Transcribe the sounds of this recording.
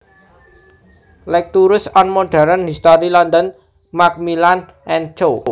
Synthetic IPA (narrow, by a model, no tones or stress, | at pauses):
lɛk̚t̪uɾʊsɔnmoɖ̥a̤ɾənhist̪ɔɾilɔnd̪ən | mak̚milan | ʔɛnt͡ʃo